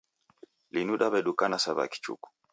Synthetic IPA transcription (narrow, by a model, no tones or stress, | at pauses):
linuɗabɛɗukanasaβa̰ki̥t͡ʃṵku̥